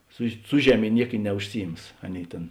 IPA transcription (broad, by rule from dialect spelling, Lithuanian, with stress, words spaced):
sʊ ˈsʊ ʒʲɛˌmʲeː ˈnʲiɛk ɪ nʲɛʊʃʲˈsʲɪˌjɪms ˈɑːˌnʲeːɪ ˈtʲeːn